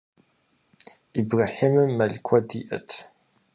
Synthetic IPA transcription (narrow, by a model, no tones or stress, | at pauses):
ibraːħimɨmːɐɮkʷʰɔdiʔɐ̰tʰ